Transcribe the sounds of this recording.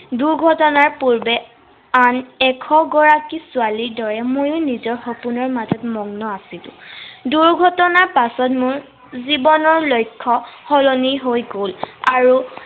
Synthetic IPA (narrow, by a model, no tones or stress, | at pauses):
duɹɡʱɔtɔnaɹpuɹbɛ | anɛkʰɔɡɔɹakisualiɹdɔɹɛmojʊnizɔɹxɔpunɔɹmazɔtmɔŋnɔasilʊ̰̃duɹɡʱɔtɔnaɹpasɔtmʊɹ | zibɔnɔɹlojkʰːɔxɔloniɦojɡolaɹu